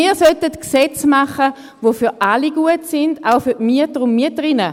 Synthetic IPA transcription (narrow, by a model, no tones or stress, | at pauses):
iːɐsœtətksɛt͡smaχə | vofyʁaliɡ̥uətsɪndaʊfʏʁtmyətəʁʊndmyətəʁinə